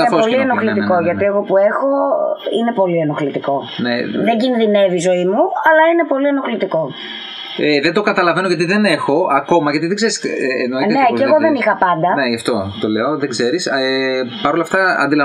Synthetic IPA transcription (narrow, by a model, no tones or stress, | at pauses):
ɐpoolienoxlit̪iko̞ʝɐt̪ie̞ɣo̞puexo̞ine̞po̞lienoxlit̪iko̞ | neðeɲɟinðinevizo̞imuɐlɐine̞po̞lienoxlit̪iko̞ | eðed̪o̞kɐt̪ɐlɐve̞noʝɐt̪iðene̞xo̞ɐko̞mɐʝɐt̪iðeɡzeɾisnnneeeɣoðenixɐpɐnd̪ɐneʝɐft̪o̞t̪o̞leoðeɡze̞ɾisepɐɾolɐft̪ɐɐ̰nd̪ilɐ